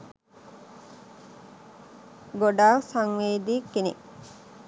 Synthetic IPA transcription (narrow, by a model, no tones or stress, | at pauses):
ɡoɖaːsaŋʋeːd̪ikːinḛ